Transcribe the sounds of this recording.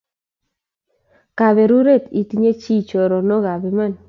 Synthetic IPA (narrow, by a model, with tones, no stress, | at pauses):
ka˨βe˨ɾu˦ɾe˦˨t̪i˨t̪i˦ɲe˦t͡ʃi˦t͡ʃɔ˨ɾɔ˨nɔ˦ɣa˨bɛ˨ma˦˨n